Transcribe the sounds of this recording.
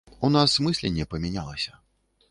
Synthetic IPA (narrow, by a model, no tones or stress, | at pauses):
unasmɨsʲlʲɛnʲːɛpɐmʲɛnʲalˠɐsʲɐ̥